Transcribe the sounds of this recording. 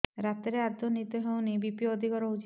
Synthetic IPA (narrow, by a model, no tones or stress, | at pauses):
ɾat̪eɾead̪ʱɔnit̪ɔɦewnibipijod̪ʱikɔɾout͡ʃ